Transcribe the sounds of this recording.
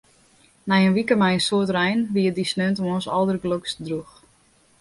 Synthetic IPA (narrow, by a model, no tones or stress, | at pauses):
nɛjənʋikəmɛjənsoətrɛjnʋiədisnøntɔmonsɔlˠdərɡlokstədrux